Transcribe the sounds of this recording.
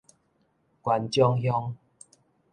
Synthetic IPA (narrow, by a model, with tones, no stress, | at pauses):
kwa˨nt͡ɕjɔ˦˧ŋɦjɔ˧ŋ